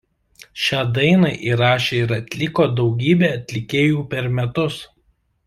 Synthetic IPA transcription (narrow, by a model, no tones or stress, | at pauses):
ʃʲæːd̪ɐɪnɐʔiːɾɑːʃʲeːɪɾɐt̪ʲlʲɪkoːd̪ɒʊɡʲiːbʲeːɐt̪ʲlʲɪkʲeːjuːpʲɛɾmʲɛt̪ʊs